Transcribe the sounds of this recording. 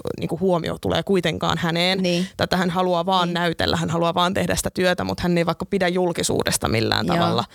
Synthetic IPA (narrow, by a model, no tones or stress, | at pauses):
nḭːŋkuhuomḭo̰t̪ulḛːkuit̪eŋkɑ̰ːnhæneːnnːt̪ɑet̪ːæhænhɑluɑʋɑːnːnæyt̪ḛlːæhænhɑluɑʋɑːnt̪ehdæsi̥t̪æ̥t̪yøt̪æmut̪hænːeiʋɑikːɑpidæjjulkisṵːdest̪ɑ̰milːæ̰ːnt̪ɑʋɑlːɑ